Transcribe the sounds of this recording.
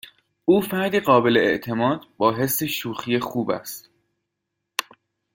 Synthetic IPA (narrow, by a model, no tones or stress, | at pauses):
uːfæɾd̪iːɣɒːbe̞leeʔt̪ʰe̞mɒːd̪̚bɒːɦe̞sːeʃuːxijexuːbæ̰st̪